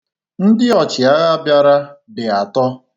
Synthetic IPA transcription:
n̩˦dɪ˦ɔ˨t͡ʃɪ˨a˦ɣa˦a˦bja˦ɾa˦bɪ˨a˨tɔ˦

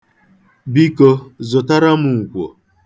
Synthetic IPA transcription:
bi˦ko˦zʊ˨ta˦ɾa˦mʊ˨u˨kʷo̰˨

